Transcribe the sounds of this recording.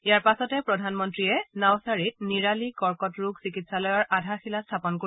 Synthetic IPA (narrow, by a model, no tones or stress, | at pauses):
ijaɹpasɔtɛpɹɔdʱanmɔntɹiɛnawsaɹit̚niɹalikɔɹkɔtɹuɡsikitsalɔjɔɹʔadʱaxilastʰapɔnko